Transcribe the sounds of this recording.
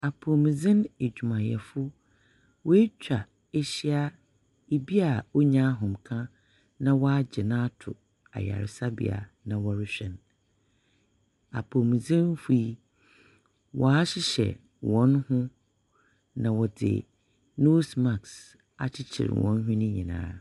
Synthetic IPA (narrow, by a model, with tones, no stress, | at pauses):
a˨pʰo˨mĩ˨d͡zɪ̃˦ne˨d͡ʑᶣu˨mã˨jɛ̰˨fʊ˦ | wɔ˦e˦t͡ɕᶣa˨ | e˦ɕi˦a˦ | e˨bi˦a˨o˦ɲã˦ɦɔ̃˨mkʰã˦ | nã˨wɔ˦a˦d͡ʑɪ˨nã˦tʰʊ̰˨ | a̰˨ja̰˨ɾɪ˨sa˦bḭ˨a̰˨nã˨wɔ˨ɾɪ˦ɕᶣɛ̃˨n | a̰˨pʰo˨mĩ˨zɪ̃˦n˦fu˦i˦ | wɔ˨a˦ɕɪ˦ɕɛ̰˨ | wɔ̃˨˦nhʊ̃˦ | nã˨wɔ˨dɪ̰˨ | no˦sma˨ks | a̰˨t͡ɕʰɪ˦t͡ɕʰɪ̰˨ɾ̰wɔ̰̃˨˦n˦ɦʊ̃˦nɪ̃˦ɲĩ˨nã̰ː˨˦